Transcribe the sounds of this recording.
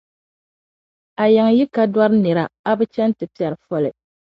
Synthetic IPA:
a˨jɛ˨ŋ˨ji˦ka˦dwa˦ɾɨ˦nɨ˨ɾa˨a˦bɨ˦t͡ʃɛ˦n˦tɨ˨pi˦˨ɛ˨ɾɨ˨fɔ˦lɨ˨

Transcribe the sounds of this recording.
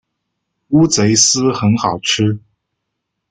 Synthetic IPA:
u˥t͡se˧˥ɪsɹ̩˥xə˧˥nxɑ˨˩ʊʈ͡ʂʰɻ̩˥

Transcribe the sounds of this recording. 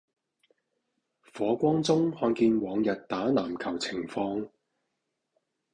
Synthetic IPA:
fɔː˨˧kʷɔː˥ŋt͡sʊ˥ŋhɔː˧nkiː˧nwɔː˨˧ŋjɐ˨t̚t̪aː˨˥naː˨˩mkʰɐ˨˩wt͡sʰɪ˨˩ŋfɔː˧ŋ

